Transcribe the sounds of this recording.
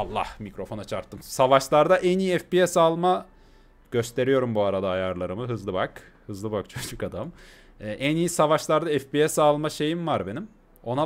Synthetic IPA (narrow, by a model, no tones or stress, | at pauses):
alˠːa̰hmikɾo̞fo̞nat͡ʃʰaɾt̪ʰːɯmsavaʃlˠaɾd̪aʔænijiɛfpiɛsalˠma | ɟ̥ø̞st̪ʰe̞ɾijo̞ɾumbuaɾad̪aːjaɾlˠaɾɯmɯɦɯzlˠɯbak | hɯzlˠɯbakt͡ʃʰod͡ʒukad̪am | ɛːʔænijisavaʃlˠaɾd̪aɛfpiɛsalˠmaʃe̞jimvaɾbe̞nim | o̞na